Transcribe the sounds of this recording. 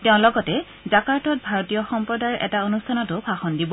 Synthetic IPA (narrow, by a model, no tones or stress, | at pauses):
tɛʊ̃lɔɡɔtɛ | zakaɹtɔt̚bʱaɹɔtijɔxɔmpɹɔdaɹʔɛ̰taonustʰanɔtʊpʰaxɔndibɔ